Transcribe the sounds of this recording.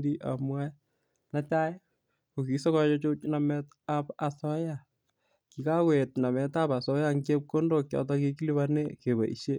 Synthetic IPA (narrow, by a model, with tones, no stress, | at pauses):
di˦ʔa̰˨mwa˦ | na˦t͡ʃa˦j | ko˨ki˨sɔ˦ka˦t͡ʃɔ˦t͡ʃo˦t͡ʃna˨mɛ˦t | a˦pa˨sɔ˦ja˨ | ki˨ka˦kwe˨tna˨mɛ˨ta˦pa˨sɔ˦jaŋɡe˦p̚ko˦ndo˨k̚t͡ʃa̰˨t̬ɔ˦ki˦ki˦li˦βane˦ke˨βa̰˨ʔḭ˨ʃe˦